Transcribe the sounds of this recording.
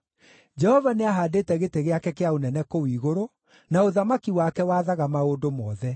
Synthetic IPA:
d͡ʑɛhɔvaneaɦaːdeːtɛɣetɛɣeakɛkeaonɛnɛkowiːɣoɾo | naoðamakiwakɛwaːðaɣamaoːdomɔːðɛ

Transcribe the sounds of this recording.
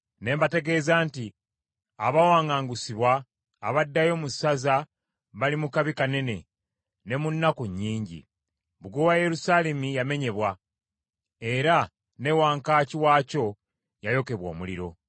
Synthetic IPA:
ne̞ːmbate̞ɡe̞ːzaːnti | aβawaːŋaːŋɡusiβwaː | βadːajo̞musaza | βalimukaβikane̞ne̞ | ne̞munːakuɲːiːɲɟḭ | βuɡowaje̞ɾusaːle̞mijame̞ɲe̞βwa | e̞ɾa | ne̞waːŋkaːciwaːco̞ | jajo̞ke̞βwo̞̰ːmuliɾo̞

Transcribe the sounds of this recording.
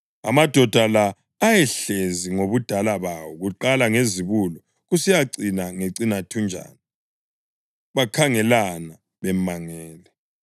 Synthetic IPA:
a̰mad̥ʱɔd̥ʱalaː | jɛɬeziŋoβud̥ʱalaβawɔɣuǃalaŋeziβulɔ | ɣusijaǀinaŋeǀinatʰund͡ʒʱa̰ːni | βakʰaŋɛlana | βɛmaŋɛːlɛ

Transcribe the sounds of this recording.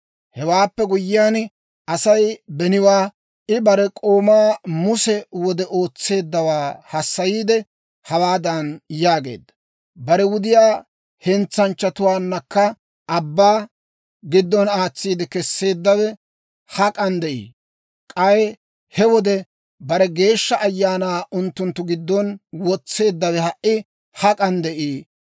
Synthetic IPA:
hɛwaːpːɛɡʊjːɪjaːn | ɐsɐjbɛnɪwaː | ʔɪbɐɾɛkʼo̞ːmaːmʊsɛwɔd̪ɛʔo̞ːt͡sːe̞ːd̪ːɐwaːhɐsːɐjiːd̪ɛ | hɐwaːd̪ɐnjaːɡe̞̰ːd̪ːɐ̥ | bɐɾɛwʊd̪ɪjaː | hɛnt͡sːɐnt͡ʃːɐt̪ʊwaːnːɐkːɐ | ɐbːaː | ɡɪd̪ːɔnaːt͡sːiːd̪ɛkɛsːe̞ːd̪ːɐwɛ | hɐkʼɐnd̪ɛʔḭː | kʼɐj | hɛwɔd̪ɛ | bɐɾɛɡe̞ːʃːɐʔɐjːaːnaːʔʊnt̪ːʊnt̪ːʊɡɪd̪ːɔnwɔt͡sːe̞ːd̪ːɐwɛhɐʔʔɪ | hɐkʼɐnd̪ɛʔiː

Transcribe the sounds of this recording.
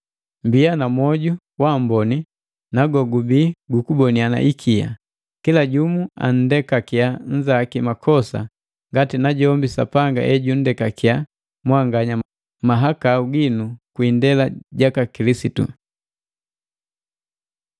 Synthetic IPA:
mbianamwɔɟu | wam̩bɔni | naɡɔɡubiːɡukubɔniana̰ʔikʰia̰ | kilaɟumua̰n̩dɛkakiaɲ̩d͡ʒakimakʰɔsa̰ | ŋɡatinaɟɔmbisa̰paŋɡa̰ʔɛɟun̩dɛkakia | mwaŋɡaɲa | maɦakauɡinukwindɛlaɟakakilisitṵ

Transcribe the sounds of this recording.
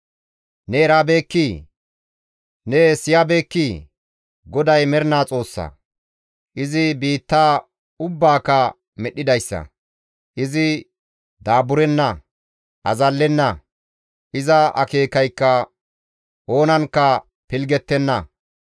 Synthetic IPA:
nɛːɾabe̞ːkːi | nesɪjɐbe̞ːkːiː | ɡɔd̪ɐjmɛɾɪnaːt͡sʼo̞ːsːɐ̰ | ʔɪzɪbiːt̪ːaː | ʊbːaːkːɐ | mɛɗːɪd̪ɐjsːɐ̰ | ʔɪzɪ | d̪aːbʊɾɛnːɐ | ʔɐzɐlːɛnːɐ | ʔɪzɐɐ̰ke̞ːkɐjkːɐ | ʔo̞ːnɐnkːɐ | pɪlɡɛt̪ːɛnːɐ

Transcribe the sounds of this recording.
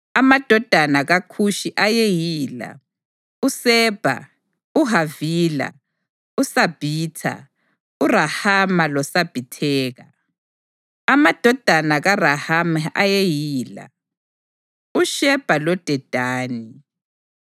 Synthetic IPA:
amad̥ʱɔd̥ʱanaɣakʰuʃiʔajejiːla̰ | usɛb̥ʱa̰ | uɦaviːla̰ | usab̥ʱiːtʰa̰ | urahamalɔsab̥ʱitʰɛːɣa | amad̥ʱɔd̥ʱanaɣarahamajejiːla̰ | uʃɛb̥ʱalɔd̥ʱɛd̥ʱaːni

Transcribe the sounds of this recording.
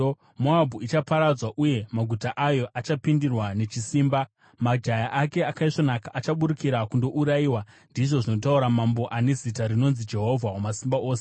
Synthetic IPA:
moabʱuit͡ʃapaɾad͡zwaʔuje̞maɡʱutaʔajo̞ʔat͡ʃapindirwane̞t͡ʃisiːmba | mad͡ʒajaʔake̞akaiʐo̞nakaʔat͡ʃaɓuɾikiɾakundo̞ʔuɾaiːwa | ndiʐo̞ʐino̞t̬auɾamambo̞ʔane̞zitaɾino̞nzid͡ʒe̞ɦo̞vʱaomasimbaʔoːse

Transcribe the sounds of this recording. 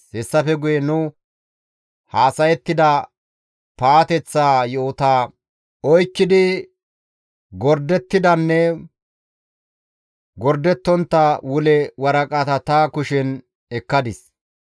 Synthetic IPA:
hɛsːɐfɛɡʊjɛnʊ | haːsɐjɛt̪ːɪd̪ɐ | paːt̪ɛt͡sːaːjoːt̪aː | ɔjkːɪd̪ɪ | ɡɔɾd̪ɛt̪ːɪd̪ɐnːɛ | ɡɔɾd̪ɛt̪ːɔnt̪ːɐwʊlɛwɐɾɐkʼɐt̪ɐt̪akʊʃɛn | ɛkːɐd̪ɪs

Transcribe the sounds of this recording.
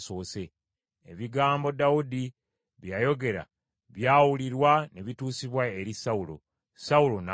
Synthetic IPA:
so̞ːse̞ | eβiɡaːmbo̞dawudi | βjaːjo̞ɡe̞ɾa̰ | βjaːwuliɾwane̞βituːsiβwae̞ɾisawulo̞̰ | saulo̞na

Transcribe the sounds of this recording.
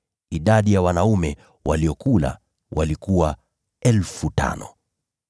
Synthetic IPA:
iɗaɗijawanaumɛ | waliɔkula̰ | wʔalikuwa | ɛlfutʰa̰nɔ

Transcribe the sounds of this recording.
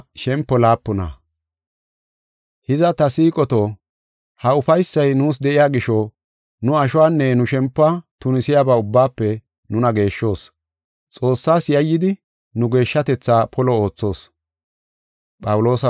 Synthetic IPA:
ʃɛmpːɔlaːpːɔnɐ̰ | hɪzɐt̪ɐsiːkʼɔt̪oː | hɐʊfɐjsːɐjnuːs̬d̪ɛʔɪjaːɡɪʃɔ | nʊɐʃʊwaːnːɛnʊʃɛmpːat̪ʊnɪsɪjaːbaːʊbːaːpːɛ | nʊnɐɡe̞ːʃːo̞ːs | t͡sʼo̞ːsːaːsjɐjːɪd̪ɪ | nʊɡe̞ːʃːɐt̪ɛt͡sːaːpʰɔlɔo̞ːt͡sːo̞ːs | pʼɐwʊlo̞ːsɐ

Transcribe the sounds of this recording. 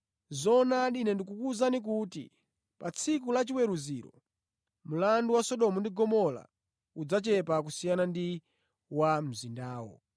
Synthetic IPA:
zɔnaɗinɛndikukuzanik̬utḭ | pat͡sʰik̬ulat͡ʃiwɛɾuziɾɔ̰ | mulanduwasɔɗɔmɔndiɡɔmɔla̰ | ud͡zat͡ʃɛpak̬usijanandi | wam̩zindaːwɔ̰

